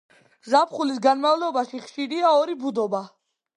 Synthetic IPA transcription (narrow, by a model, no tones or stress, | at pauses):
zapʰχulis̬ɡanmavlɔbaʃiχʃiɾiaɔɾibud̪ɔba